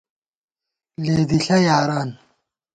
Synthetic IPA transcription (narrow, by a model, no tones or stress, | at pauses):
leːd̪iɬɐjaːɾaːn